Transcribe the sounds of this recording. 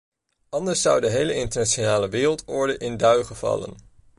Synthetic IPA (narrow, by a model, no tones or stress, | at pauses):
ɑndəɹsːʌwdəɦejləɪntəɹnaʃonaːləʋɪːrəlˠtɔɹdəʔɪndœɥχəv̥ɑ̰lə̰n